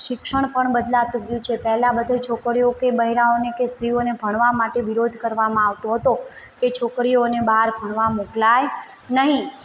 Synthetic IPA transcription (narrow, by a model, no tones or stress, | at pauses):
ʃɪkʃəɳ̃pəɳbəd̪lat̪uɡjũt͡ʃʰepɛɦlabəd̪ʱet͡ʃʰokɾiokebəɦiɾaonekest̪ɾionebʱəɽ̃ʋamaʈeʋiɾod̪ʱkəɾʋamãaʋt̪oɦət̪o | ket͡ʃʰokɾionebaɦaɾbʱəɳ̃ʋamoklajnəɦĩ